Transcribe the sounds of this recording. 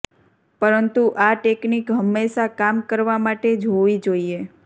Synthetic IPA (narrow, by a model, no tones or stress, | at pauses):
pəɾənt̪uʔaʈeknikɦəmːeʃakamkəɾʋamaʈed͡ʒɦoʋid͡ʒoie